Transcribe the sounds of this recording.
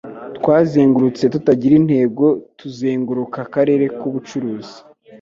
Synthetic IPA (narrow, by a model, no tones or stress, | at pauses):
tkwaːzeːŋɡuɾut͡se̞tutaɟiɾin̥he̞ːɡo̞tuzeːŋɡuɾukakaɾe̞ɾe̞kuβut͡ʃuɾuːzi̥